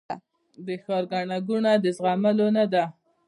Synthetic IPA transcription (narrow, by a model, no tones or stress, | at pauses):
d̪əxɑɾɡaɳaɡuɳad̪əzɣamalonad̪a